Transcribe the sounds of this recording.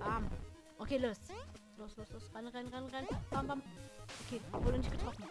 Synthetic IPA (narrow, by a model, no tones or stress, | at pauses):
ʔaːm | ʔokʰeːloːsloːsloːsloːsʁaɪnʁaɪnʁaɪnʁaɪnpʰambamʔokʰeːvoːdənɪçtɡ̥ətʁɔfn̩